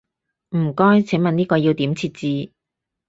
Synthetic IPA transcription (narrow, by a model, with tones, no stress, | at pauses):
m̩˨˩kɔː˥jt͡sʰe˨˥ŋmɐ˨niː˥kɔː˧jiː˧wt̪iː˨˥mt͡sʰiː˧t̚t͡siː˧